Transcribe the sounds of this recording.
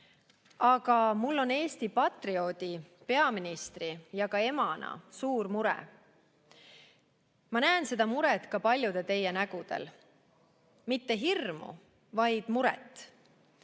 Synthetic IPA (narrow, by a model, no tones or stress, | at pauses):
ɑɡ̥ɑmulːo̞ne̞ːst̪ipɑt̪rio̞d̪̥ipe̞ɑminist̪rijɑkɑe̞mɑnɑ̰suːrmuɾɛ̰ | mɑnæːnse̞d̪̥ɑmuɾɛt̪kɑpɑlʲjud̪̥e̞t̪e̞jːenæɡ̥ud̪̥e̞̰l | mit̪ːe̞ɦirmṵ | vɑjd̪̥muɾɛ̰t̪ːˑ